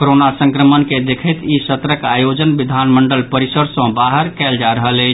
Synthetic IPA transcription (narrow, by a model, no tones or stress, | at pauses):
koɾonasə̃ŋkɾəmənked̪ekʰəjt̪isət̪ɾəkajod͡ʒənbid̪ʱanməɳɖəlpəɾisəɽsə̃baɦəɾkɛld͡ʒaɾəɦəlɛɪt͡ʃʰ